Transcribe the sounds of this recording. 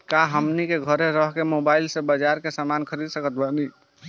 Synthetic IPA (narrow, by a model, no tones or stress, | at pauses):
kaɦəmnikeɡʱəɾeɾəɦkemobaɪilsebəd͡ʒaɾkesəmankʰəɾid̪səkət̪̚bəni